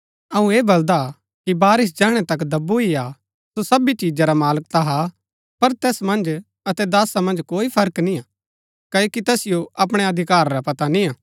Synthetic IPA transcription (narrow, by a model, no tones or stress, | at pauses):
ɐũeːbɐld̪a | kibaːɾɪs̬d͡ʒɛːɦɽ̃ɛt̪ɐkd̪ɐbuia | sosɐbit͡ʃiːd͡ʒaɾamaːlək̚t̪aɦa | pɐɾt̪ɛːsmɐ̃nd͡ʒ | ɐt̪ɛd̪aːsamɐ̃nd͡ʒkoːipʰɐɾəknĩaː | kɐjokit̪ɐsɪjoʔɐp̬ɽ̃eɐd̪ʱɪkaːɾɾapɐt̪anĩaː